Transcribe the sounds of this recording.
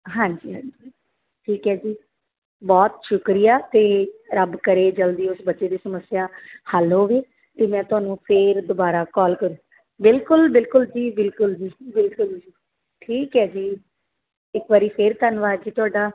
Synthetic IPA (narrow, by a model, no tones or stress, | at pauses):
ɦãːɲd͡ʒiːɦãːd͡ʒi | ʈʰiːkɦɛːd͡ʒiː | bɔːt̪ʃʊkɾijaːt̪eːɾəbkəɾeːd͡ʒəld̪iːʊsbətːʃeːd̪iːsəməsːjaːhaloːʋeː | t̪eːmɛ̃ːt̪ʊaːnũːpʰeːɾd̪ʊbaːɾaːkɔːlkəɾũː | bɪlkʊlbɪlkʊld͡ʒiːbɪlkʊld͡ʒiːbɪlkʊld͡ʒiː | ʈʰiːkɦɛːd͡ʒiː | ɪkʋaːɾiːpʰeɾt̪ənʋaːɾd͡ʒiːt̪ʊaːɖaː